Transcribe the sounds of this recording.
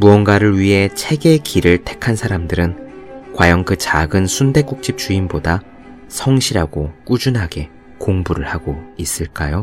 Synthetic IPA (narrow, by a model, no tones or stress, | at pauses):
muʌnɡwaɾɯɭɥiɦe̞t͡ɕʰe̞ɡe̞kiɾɯɭtʰe̞̥kʰansʰaɾamdɯɾɯn | kwajʌŋkɯt͡ɕaɡɯnsʰunde̞k͈uk̚t͡ɕ͈ip̚t͡ɕ͈uinboda | sʰʌŋɕʰiɾaɡok͈ud͡ʑunɦaɡe̞ | koŋbuɾɯɭhaɡois͈ɯɭk͈ajo